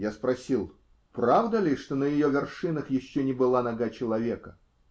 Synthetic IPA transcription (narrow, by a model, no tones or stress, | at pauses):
jaspɾɐsʲilˠ | pɾavd̪əlʲɪʂt̪o̞nəjɪjovʲɪrʂɨnəxjɪɕːonʲɪbɨlˠanɐɡat͡ɕɪlˠɐvʲe̞kə